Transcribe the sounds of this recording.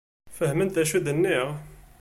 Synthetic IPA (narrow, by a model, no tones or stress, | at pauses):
fəɦmənt̪æʃud̪ənːiʁ